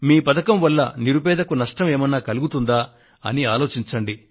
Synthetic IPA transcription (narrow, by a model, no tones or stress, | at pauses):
miːpɐt̪ɐkɐmʋɐlːɐ̰niɾubɛːd̪ɐkunɐʂʈɐmeːmɐnːaːkɐluɡut̪und̪aː | ɐ̰niaːlo̞ːt͡ʃiɲt͡ʃɐɳɖi